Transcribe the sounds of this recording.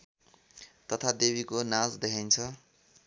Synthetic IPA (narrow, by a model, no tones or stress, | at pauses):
t̪ʌt̪ʰad̪ebikonãd͡zd̪ekʰajnt͡sʰʌ